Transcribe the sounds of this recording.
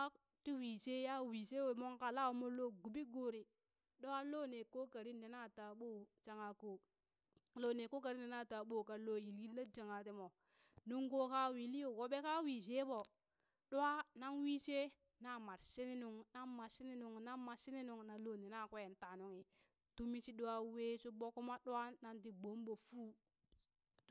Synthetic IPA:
a˦ | ti˦wiː˨se˦ja˦wi˨se˦wo˨mo˦ŋka˨la˦wo˨mo˦lo˦ɡu˨bi˦ɡo˨ɾi˨ | ɗo˦a˦lo˦ne˨ko˦ka˨ɾi˦nde˨na˦˨ta˨ɓo˦t͡ʃa˨ŋa˨ko˨ | lo˦ne˨ko˦ka˨ɾi˦ne˨na˦˨ta˨ɓo˦˨ka˨lo˦ji˨li˦lːa˦d͡ʒa˨ŋa˨ti˦mo˨ | nu˦ŋɡo˦ka˦wi˨li˦jo˨wo˨ɓe˦ka˦wi˨se˦bo˨ | ɗu˦wa˦na˦nwi˦t͡ʃe˦ | na˦˨ma˨ɾse˦ni˦nu˨ŋna˦mːa˨se˦ni˦nu˨ŋna˦mːa˨si˦ne˦nu˨ŋna˨lo˦ne˨na˦˨kʷe˦e˨nta˨nu˦ŋi˨ | tu˦mi˦t͡ʃi˦ɗu˦wa˦we˦su˦bo˦ku˦ma˦ɗwwa˦na˨nt̬i˨bo˨˦mbo˨fu˦

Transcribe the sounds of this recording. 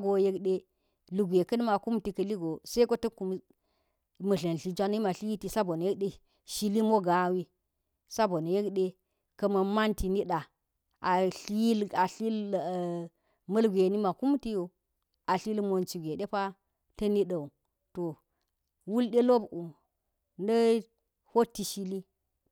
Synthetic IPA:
ɡo˨je˦kɗe˦ | lu˨ɡʷe˨kɐ˦n˦ma˨ku˦mti˨kɐ˨li˦ɡo˨sɐ˦i˦ko˦tɐ˦ku˨m | mɐ˨ɮɐ˨n˨ɬi˨d͡ʒʷa˦n˦i˦ma˨ɬi˦i˦ti˨sa˦bo˨n˨je˦k̚ɗe˦ | ʃi˦li˦mo˦ɡa˨˦wi˦ | sa˦bo˨n˨je˦kɗe˦ | kɐ˨mɐ˨ma˦nti˨ni˦ɗa˨ | a˨ɬi˦la˨ɬi˦l | mɐ˦lɡʷe˨ni˦ma˨ku˦m˦ti˦jo˨ | a˨ɬi˦lmo˨nt͡ʃi˨ɡʷe˨ɗe˦pa˦ | tɐ˦ni˦ɗɐ˨u˨ | to˨ | wu˦lɗe˦lo˦bu˨ | nɐ˦ | ho˦tːi˨˦ʃi˦li˦

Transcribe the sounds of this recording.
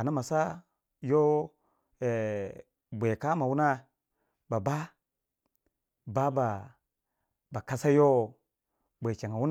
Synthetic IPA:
a˨na˦ma˨sa˦ | jo˦ | e˨ | bʷe˨ka˦ma˨wu˦na˦ | ba˨ba˦ | ba˦ba˨ | ba˨ka˦sa˦jo˦ | bʷe˨t͡ʃe˨ŋa˨wu˦n˦

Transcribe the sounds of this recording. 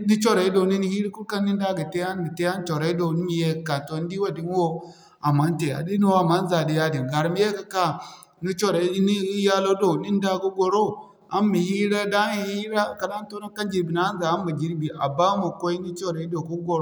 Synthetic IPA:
ni˦t͡ʃo˦˨ɾa˨i˦do˨˦ni˦ni˦hi˦ɾi˦ku˦ka˦nː˦i˦n˦da˦ɡi˨te˦a˦n˦ɡi˨te˦a˦n˦t͡ʃo˨ɾa˨˦i˦do˨ni˦mi˨je˦˨ka˨to˨n˦di˦wa˨di˦n˦wo˦ | a˨ma˨˦n˦te˨a̰˨di˦nu˦wa˦˨ma˨˦n˦za˨di˨ja˦di˨nɡa˨ɾmi˦je˦ka˨ka˦ | ni˦t͡ʃo˦ɾa˨i˦i˦ni˦ja˦lo˦do˨ni˦n˦da˦ɡu˦ɡo˨ɾo˦ | a˦nmi˨hi˦ɾa˦da˦ni˨hi˦ɾa˦˨ka˨da˦n˦to˦na˦ka˦nd͡ʒi˨ɾbi˨na˦n˦za˨a˦mma˨d͡ʒi˦ɾbi˨ʔa̰˨ba˦ma˨ko˦i˦ni˦t͡ʃo˦ɾa˨i˦do˨ku˦ɡo˨ɾ

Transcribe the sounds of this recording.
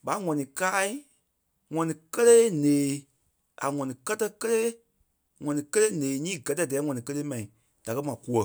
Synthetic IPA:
ɓa˨˦ŋɔ̃˨nĩ˨kaː˦i˦ | ŋɔ̃˨nĩ˨kə˦leː˦nẽː˨ | a˨ŋɔ̃˨nĩ˨kɜ˦tɜ˦kə˦leː˦ | ŋɔ̃˨nĩ˨kə˦leː˦nẽː˨ɲĩː˦ɡɜ˨tɛ˦˨dɛː˨˦ŋɔ̃˨nĩ˨kə˦leː˦mã˨ĩ˨ | d̥a˨kɜ˦mã˨ku˦ə˨

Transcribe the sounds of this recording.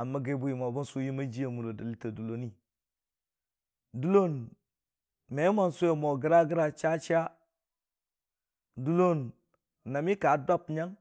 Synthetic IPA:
a˨mːa˦ɡe˦bu˦ji˨mo˨ba˦nsu˦ji˦ma˦d͡ʒi˦ja˨mu˨ɾo˨da˨li˦ta˨du˨lo˨˦ni˦ | du˦lo˦n | me˨˦ma˦nsu˦je˨mo˨ɡə˦ɾa˦ɡi˦ɾa˦t͡ʃa˦t͡ʃa˦ | du˦lo˦nː | a˨mi˦ka˨˦da˦pɲa˦ŋ

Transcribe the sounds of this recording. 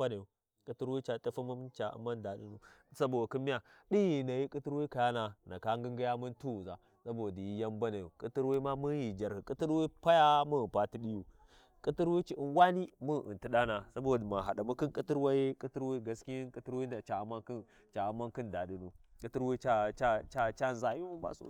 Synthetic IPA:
a˦na˨ju˨ | kʼi˦ti˦ɾwi˦t͡ʃa˨tʼa˦fa˦ma˦m˦t͡ʃa˨a̰˦ma˦nda˨ɗi˨nu˨sa˦bo˨ki˦mi˦ja˨ɗi˦ji˨na˨ji˦kʼi˦ti˦ɾwa˦ka˨ja˦na˨na˨ka˦ŋɡi˦ŋɡi˦ja˦mu˦ntu˦u˨za˨ | sa˦bo˨di˨ji˦ja˦mba˦na˨ju˨kʼi˦ti˦ɾwa˦i˦ma˦mu˦ji˨d͡ʒa˨ɾhi˨kʼi˦ti˦ɾwi˦pa˦ja˦mu˦˨pa˦ti˦ɗi˦ju˨ | kʼi˦ti˦ɾwi˦t͡ʃi˨i˨nwa˦ni˦mu˦˨ḭ˨nti˨ɗa˦na˨sa˦bo˨di˨ma˨ɦa˨da˨mu˦ki˦nkʼi˦ti˦ɾwa˦ji˦kʼi˦ti˦ɾwa˦ɡa˨˦ski˦i˦kʼi˦ti˦ɾwi˦n˦da˨t͡ʃa˨˦ma˦k | t͡ʃa˨˦ma˦nki˦nda˨ɗi˨nu˨kʼi˦ti˦ɾwa˦t͡ʃa˦t͡ʃa˦t͡ʃa˦t͡ʃa˦˨za˨ju˦mu˦ba̰˦˨so̰˦

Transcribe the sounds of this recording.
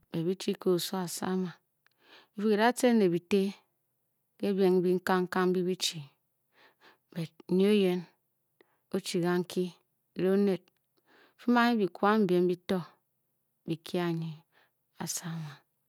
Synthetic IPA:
be˨bi˦t͡ʃi˦ko˦o˨so˦a˨sa̰˦ma˨˦ | fi˦ki˨ɾa˦te˦ne˨bi˨te˦ | ke˦be˨ŋ̩˦bi˦ŋ̩˦ka˦ŋ̩˦ka˦ŋ˦bi˦bi˦t͡ʃi˨ | be˨t̩̚˦ɲ˦e˦je˦n | o˦t͡ʃi˨ɣa˦ŋ̩˦kʰi˦˨ | le˦o˦ne˨t̚ | fi˦ma˦ɲi˦bi˨kwa˦m̩˦bje˨m˦bi˦to˦ | bi˨kʰi˦a˨ɲi˨ | a̰˨sa˦ma˨

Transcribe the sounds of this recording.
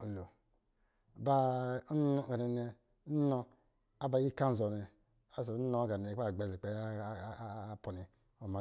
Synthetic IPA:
o˨lo˨ | ba˦ | ɔ˦˨ɡa˨ni˨n˦ɛ˨˦ | nɔ˦˧ | a˦ba˨˦i˦˨ka˦zɔ˨nɛ˨ | a˦so˨˦no˨˦ka˨nɛ˨˦a˦˨ɡ͡bɛ˨i˨k͡pɛ˨˦po˨ni˨ | o˨ma˨

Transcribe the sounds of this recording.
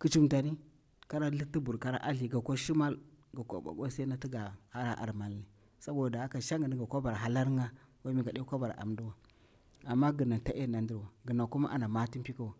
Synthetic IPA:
ki˨˦t͡ʃi˦mta˨ni˦ | ka˦ɾa˦li˦ti˦bu˨ɾka˦ɾa̰˦ʔa˦ɬi˨ɡa˨ko˦ʃi˦ma˦lɡa˨ko̰˦ba̰˨ɡo˦sa˦na˦ti˦ɡa˨ha˦ɾa˦ʔa̰˨ɾma˨lːi˨ | sa˦bo˨a˨da˨a˦ka˨ʃa˦ŋɡa˨ni˦ɡa˨kʷa˦ba˨ɾa˨ɦa˨la˦ɾŋa˦wa˦mi˨ɡa˨ɗe˦kʷa˦ba˨ɾa̰˨ʔa̰˨mdu˦wa˨ | a˨mːa˦ɡə˨na˨ta˦ʔe˦˨na˨ndi˦ɾwa˨ɡə˨na˨ku˦ma̰˦ʔa̰˨na˨ma˦ti˦pi˦ka˦wa˨

